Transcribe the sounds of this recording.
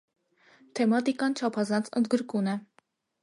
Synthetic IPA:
t̪ʰɛmɑt̪ikɑnt͡ʃʰɑpʰɑzɑnt͡sʰə̰nd̪ɡəɾkunɛ

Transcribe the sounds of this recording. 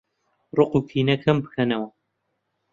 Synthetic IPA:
rɨqukʰiːnɐkʰɐmbɨ̥kʰɐnɐwɐ

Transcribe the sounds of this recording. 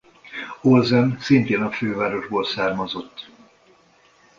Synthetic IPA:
olzɛmsint̪eːnɒføːvaːɾo̞ʒboːlsaːrmɒzo̞t̪ː

